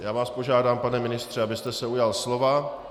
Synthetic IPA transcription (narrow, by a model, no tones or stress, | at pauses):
jaːvaːspo̞ʒaːdaːmpanɛmɪnɪst̪r̝̥ɛabɪst̪ɛsɛujalslo̞va